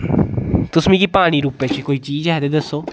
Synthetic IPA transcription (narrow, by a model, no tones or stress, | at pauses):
t̪ʊsmĩkipaːɽ̃iːɾuːpeːt͡ʃikoːiːt͡ʃiːd͡ʒɦɛːd̪eːd̪əsːoː